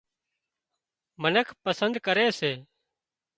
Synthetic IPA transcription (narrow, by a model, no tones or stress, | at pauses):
mənəkʰpəsənd̪kəɾeːseː